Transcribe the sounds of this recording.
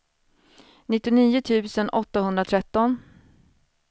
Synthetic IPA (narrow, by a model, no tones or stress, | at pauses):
nɪt̪ːɪniːʊt̪ʰʉ̟ːsənʔɔt̪ːahɵnd̪ɾat̪ʰɾɛt̪ːɔn